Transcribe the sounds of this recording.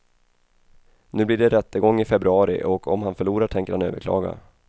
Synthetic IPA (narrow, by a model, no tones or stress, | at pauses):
nʉ̟ːblɪːɖɛɾɛt̪ːəɡɔŋːɪfɛbɾɵɑːɾɪ̰ʔɔkʰɔmhanfœɭuːɾaʈʰɛŋkəɾhanø̰ːvə̰ɾkʰlɑ̰ːɡa̰